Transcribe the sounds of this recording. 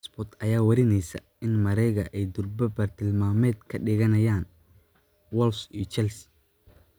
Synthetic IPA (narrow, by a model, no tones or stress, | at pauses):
sbɔt̪ʰɐjaːwɐɾɪnɛjsɐ̰ | ɪnmɐɾɛjɣɐʔɛjd̪ʊrbɐbɐrt̪ʰɪlmaːmɛːd̪kʰɐɖɪɣɐnɐjaːn | wɔlsijɞt͡ʃɛlsɪ̥